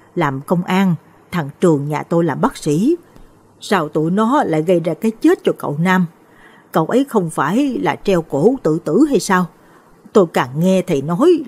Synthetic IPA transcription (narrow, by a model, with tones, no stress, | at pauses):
laː˨˩mkə˧wŋ͡mʔaː˧n | t̪ʰa˨˩ŋt͡ɕɨ˨˩əŋɲaː˨˩t̪o˧jlaː˨˩mɓaː˦˥k̚sḭ˧˥ | saː˧wt̪u˧˩əjnɔ˨˦la̰ː˧˨jɣə˧jzaː˧kaː˨˦jt͡ɕe˦˥t̚t͡ɕɔ˧kə̰˧˨wnaː˧m | kə̰˧˨wʔə˨˦jxə˧wŋ͡mfaː˧˩jlaː˨˩t͡ɕɛ˧wko˧˩t̪ɨ̰˧˨t̪ɨ̰˧˥ɦa˧jsaː˧w | t̪o˧jkaː˨˩ŋŋɛ˧t̪ʰi˨˩nɔ˨˦j